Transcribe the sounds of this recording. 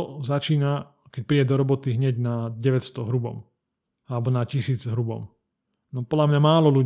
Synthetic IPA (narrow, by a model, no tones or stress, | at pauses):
ɔzat͡ʃiːna | kɛc̚pɾiːɟɛd̪ɔɾɔbɔt̪iɦɲɛɟnaɟɛʋɛcst̪ɔɦɾubɔ̰m | alɛbɔnacisiːd͡zɦɾubɔ̰m | nɔpɔd̪lamɲamaːlɔlu